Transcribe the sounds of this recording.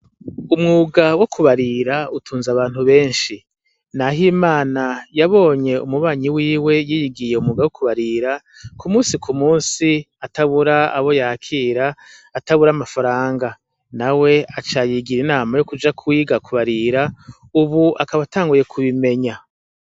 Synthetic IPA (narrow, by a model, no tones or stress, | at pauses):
umŋuːɡawo̞kʰuβaɾiɾautʰuːnzaβaːn̥huβe̞ːnʃi | naɦimaːnajaβo̞ːɲe̞ṵmuβaːɲiwiːwe̞jijiɡije̞umŋuːɡawokʰuβaɾiɾa | kumuːnsikʰumuːnsi | ataβuɾaa̰βo̞jaːkʰiːɾaːtaβuɾamafaɾaːŋɡa | nawe̞at͡ʃajiɡiɾinaːmajokud͡ʒakʰwiːɡakʰuβaɾiɾa | uβuakaβataːŋɡuje̞kʰuβime̞ɲa